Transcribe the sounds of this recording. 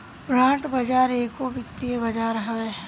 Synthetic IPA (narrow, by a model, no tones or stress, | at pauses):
bɾãːʈbɐd͡ʒaːɾeːkobɪkt̪iebɐd͡ʒaːɾɦɐʋeː